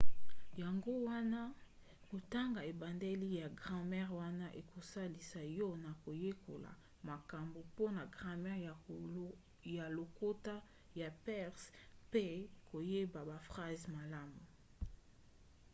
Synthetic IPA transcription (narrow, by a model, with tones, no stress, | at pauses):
ja˨ŋɡo˦wa˦na˦ | ko˨ta˦ŋɡa˨e˨ba˨nde˦li˦ja˨ɡʁɑ̃˦mɛ˦ʁwa˦na˦ʔe˨ko˨sa˦li˨sa˨jɔ˦na˨ko˨je˦ko̰˨la̰˨ | ma˨ka˨mbo˨po˦na˨ɡʁɑ̃˨mɛ˦ʁ | ja˨lo˨ko˦ta˦ | ja˨pɛ˦ʁspe˦ko˨je˦ba˨ba˨fʁa˦zma˨la˦mu˨